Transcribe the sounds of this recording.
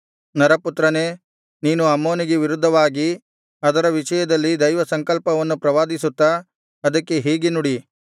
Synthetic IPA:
nɐɾɐput̪ɾɐne̞ː | niːnuɐmːoːniɡeʋiɾud̪ʱːɐʋaːɡi | ɐd̪ɐɾɐʋiʂɐjɐd̪ɐlːid̪ɐjʋɐsɐŋkɐlpɐʋɐnːupɾɐʋaːd̪isut̪ːa | ɐd̪ɐkːe̞ɦiːɡenuɽi

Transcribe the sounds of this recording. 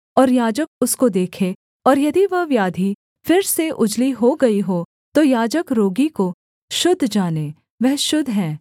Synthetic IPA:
ɔːɾjaːd͡ʒək̚ʊskod̪eːkʰe | ɔːɾjɐd̪iʋɐɦʋjaːd̪ʱi | fɪɾseʔʊd͡ʒliɦoɡɐiɦoː | t̪ojaːd͡ʒəkɾoːɡiko | ʃʊd̪ʱːd͡ʒaːneː | ʋɛɦʃʊd̪ʱɦɛ̃ː

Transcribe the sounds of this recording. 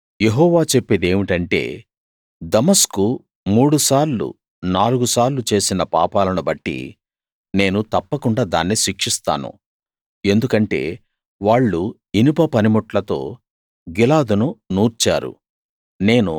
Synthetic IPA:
je̞ɦɔːʋaːt͡ʃepːeːd̪e̞ːmiʈɐɳʈe̞̰ː | d̪ɐmɐsku | muːɽusaːɾlṵ | naːluɡusaːɾlut͡ʃe̞ːsinɐpa̰ːpaːlɐnubɐʈːḭ | ne̞ːnut̪ɐpːɐkuɳɖaːd̪a̰ːnːiʃikʂist̪a̰ːnṵ | e̞nd̪ukɐɳʈe̞̰ː | ʋaːɭːu | inipɐpɐnimɔʈlɐt̪o̞̰ː | ɡilaːd̪ununuːɾt͡ʃa̰ːɾṵ | ne̞ːnu

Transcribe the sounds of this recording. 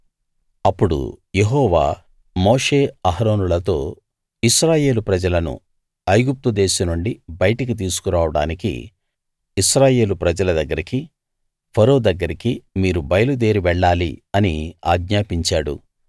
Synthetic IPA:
ɐpːuɽṵje̞ɦɔːʋa̰ː | moːʂe̞ːɐɦɐɾo̞ːnulɐt̪o̞ː | iʃɾaːje̞ːlupɾɐd͡ʒɐlɐnṵ | ɐjɡup̚t̪ud̪eːʃɐnuɳɖibɐjɐʈɐk̬it̪̬iːs̬u̥kuɾaːʋɐɽa̰ːnikḭː | ʃɾaːje̞ːlupɾɐd͡ʒɐlɐd̪ɐɡːɐɾiki | pʰɐɾo̞ːd̪ɐɡːɐɾikimiːɾubɐjɐlud̪e̞ːɾiʋɛɭːaːlḭɐnia̰ːɡɲaːpiɲt͡ʃaːɽṵ

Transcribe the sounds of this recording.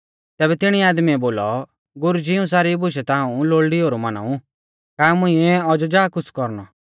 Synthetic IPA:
t̪ɛːbɛt̪ɪɽ̃iaːd̪miɛboːlɔ | ɡʊɾud͡ʒiũs̬aːɾibʊʃɛt̪aːũloːɭɖiɦoːɾumana̰ːu | kaːmʊ̃ĩɛɔd͡ʒɔd͡ʒaːkʊt͡sʰkɔɾnɔ̰

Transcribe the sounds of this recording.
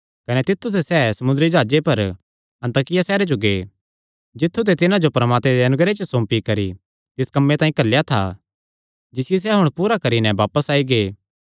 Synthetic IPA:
kɐnet̪ɪt̪ʰːut̪ʰesɛːsɐmʊnd̪əɾid͡ʒaːd͡ʒepɐɾ | ɐ̃nt̪aːkɪjasɛːɾed͡ʒoɡeː | d͡ʒɪt̪ʰːut̪̬et̪ɪnãd͡ʒopɾɐmaːt̪mẽd̪eɐnʊɡɾet͡ʃəsõːmpikɐɾḭ | t̪ɪskɐmːet̪aːĩkɐlːjat̪ʰa̰ | d͡ʒɪsɪjes̬ɛɦʊɽ̃puːɾakɐɾinɛʋaːpəsaːiɡeː

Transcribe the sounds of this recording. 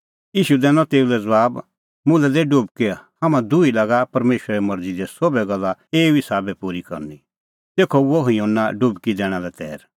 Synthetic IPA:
iːʃud̪ɛːnɔ̃t̪eːulɛd͡zɐbaːb | mʊ̃lɛd̪ɛɖʊbkehamãd̪ʊilaɡapɐɾmeːʃɾaɾɛmɐɾd͡zid̪ɛsobɛɡɐlːaeːuɪsaːbɛpuːɾikɐ̰ɾni | t̪eːkʰɔoɦiõːnːaɖʊbkid̪ɛːɽ̃ãlɛt̪ɛ̰ːɾ

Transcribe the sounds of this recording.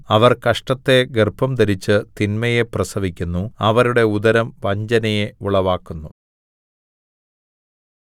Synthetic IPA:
ɐʋɐrkɐʂʈɐt̪ːe̞ɡerpɐmd̪ɐɾit͡ɕːɨt̪inmɐjeprɐsɐʋikʲːunːuɐʋɐɾuɽe̞ud̪ɐɾɐmʋɐɲd͡ʑɐnɐjeuɭɐʋaːkːunːu

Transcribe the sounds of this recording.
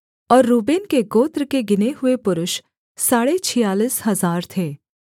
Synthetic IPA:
ɔːɾːuːbeːnkeɡoːt̪ɾkeɡɪneɦʊepʊɾʊʃ | saːɽet͡ʃʰɪjaːliːsɦɐzaːɾt̪ʰeː

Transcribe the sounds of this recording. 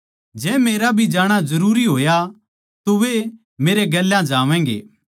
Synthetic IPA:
d͡ʒɛ̃ːmeːɾabʱid͡ʒaːɽ̃azɐɾuːɾiɦoːja | t̪oʋe | meːɾeɡɐlːãd͡ʒaːʋɛ̃ːɡḛː

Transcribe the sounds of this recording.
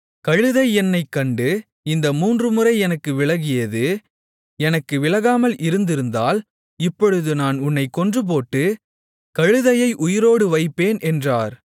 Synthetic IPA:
kɐɻɯðɐɪɛnːɐɪkːɐɳɖɯ | ɪnd̪ɐmuːndrɯmɯrɐɪɛnɐkːɯʋɪɭɐɣɪjɐðɯ | ɛnɐkːɯʋɪlɐɣaːmɐlʔɪɾɯnd̪ɪɾɯnd̪aːl | ɪpːɔɻɯðɯnaːnʊnːɐɪkːɔndrɯp̬oːʈːɯ | kɐɻɯðɐjɐɪʔʊjɪɾoːɽɯʋɐɪpːeːnʔɛndraːɾ

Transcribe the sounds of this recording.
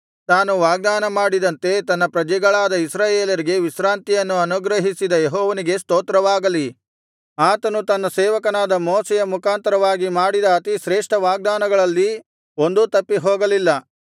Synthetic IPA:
t̪aːnuʋaːɡ̚d̪aːnɐmaːɽid̪ɐnt̪e̞t̪ɐnːɐpɾɐd͡ʒɛɡɐɭaːd̪ɐisɾaːjeːlɐɾiɡe̞ʋisɾaːnt̪ijɐnːuɐnuɡɾɐɦisid̪ɐjeɦɔːʋɐniɡe̞st̪oːt̪ɾɐʋaːɡɐli | aːt̪ɐnut̪ɐnːɐsɛːʋɐkɐnaːd̪ɐmoːsɛjɐmukʰaːnt̪ɐɾɐʋaːɡimaːɽid̪ɐːt̪iʃɾeːʂʈɐʋaːɡ̚d̪aːnɐɡɐɭɐlːi | o̞nd̪ut̪ɐpːiɦoːɡɐlilːɐ

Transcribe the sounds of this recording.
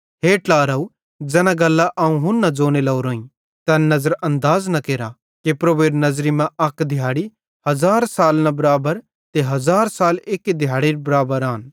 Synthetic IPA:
ɦeːʈlaːɾɐːu | d͡ʒɛːnaɡɐlːaʔaːũɦʊnːɐ̃d͡ʒoːnelɐuɾoːĩ | t̪ɐ̃nɐzəɾɐ̃nd̪aːznɐkeːɾa | kepɾoːʋeːɾnɐzɾimɛ̃ʔɐkd̪ʱɪjaːɽi | hɐzaːɾsaːlnɐbɐɾaːbəɾ | t̪eɦɐzaːɾsaːleːkid̪ʱjaːɽiɾbɐɾaːbəɾaːn

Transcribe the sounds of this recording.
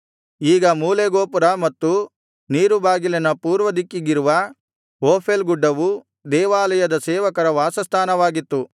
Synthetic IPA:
iːɡɐmuːleɡoːpuɾɐmɐt̪ːu | niːɾubaːɡilɐnɐpuːɾʋɐd̪ikːiɡiɾuʋɐ | oːpʰelɡuɖːɐʋu | d̪ɛːʋaːlɐjɐd̪ɐsɛːʋɐkɐɾɐʋaːsɐst̪ʰaːnɐʋaːɡit̪ːu

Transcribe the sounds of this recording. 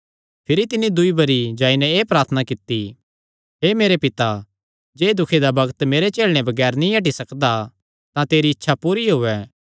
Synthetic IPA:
pʰɪɾit̪ɪnid̪ʊibɐɾid͡ʒaːinɛ̃eːpɾaːɾt̪ʰənakɪt̪ːi | ɦeːmeːɾepɪt̪a | d͡ʒeːd̪ʊkʰed̪abɐɡət̪meːɾet͡ʃeːlɽ̃ẽbɐɡɛːɾnĩɐʈ̬isɐkd̪a | t̪ãt̪eːɾiɪtːʃʰapuːɾiɦʊɛː

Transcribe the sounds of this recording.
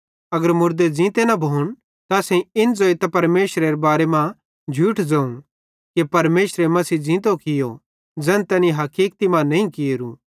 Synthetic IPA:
ɐɡəɾmʊɾd̪ed͡zĩːt̪enɐbʱoːñ | t̪asɛ̃ɪnd͡zoːit̪ɐpɐɾmeːʃɾeɾebaːɾemã | d͡ʒʱuːʈʰd͡zɐ̃ːũ | kepɐɾmeːʃɾemɐsiːd͡zĩːt̪̬okɪjo | d͡zɛ̃nt̪ɛniɦɐkiːkt̪imãnɐĩkɪɾṵ̃

